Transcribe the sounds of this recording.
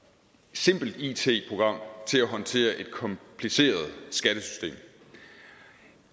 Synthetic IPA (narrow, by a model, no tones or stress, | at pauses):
se̝m̰b̥l̩d̥it͡sʰe̝̰ːpʰʁo̝ɡ̥ʁɑ̈m̰t͡sʰe̝læɦɒ̽nt͡sʰe̝̰ːɐʔe̝d̥kʰɒ̽mpʰlise̝̰ːɐð̞ˠsɡ̥æɾ̥əsy̥sd̥e̝̰ːm